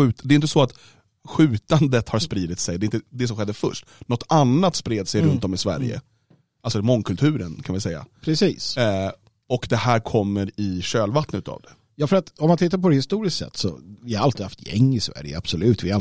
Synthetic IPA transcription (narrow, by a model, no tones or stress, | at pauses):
ʉ̟ːt̪d̪ɛɪʏnt̪̬əsɔat̪ | ɧʉ̟ːt̪and̪ət̪haɾspɾiːd̪ɪt̪sɛjd̪ɛɪnt̪əd̪ɛs̬ɔmɧɛd̪ːəfœ̰ʂʈnɔt̪ʰːanːat̪spɾeːd̪sɛjɾɵnt̪ɔmɪsvæ̰ɾjə̰ | alsɔmɔŋːkʰɵlt̪ʰʉ̟ːɾənkʰanvɪsɛjːa̰pʰɾɛsḭːs | ɔkd̪ɛhæːɾkʰɔmːəɾɪɕøːlvat̪nət̪ːʰa̰ːvd̪ɛ | jɑːfœɾat̪ɔmant̪ʰɪt̪ːaɾpɔhɪst̪uːɾɪskt̪sɛ̰t̪ːsɔ̰vɪhaɾalt̪ɪha̰ft̪ʰjɛ̰ŋːɪsvæ̰ɾjə̰a̰b̥sɔlʉ̟ːt̪vɪa